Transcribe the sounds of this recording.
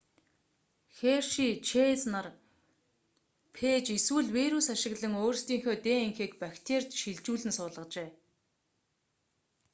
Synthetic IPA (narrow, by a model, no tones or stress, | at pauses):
xerʃit͡ɕʰet͡snar | pʰeːt͡ɕiswɘ̆ɮwiɾusaʃɪ̆ɣɮə̆ŋoːrst̪iːŋxoːt̪eːiŋxĕːkpakt̪ʰert̪ʃiɮt͡ɕuːɮɘ̆nsʊːɮə̆qt͡ɕeː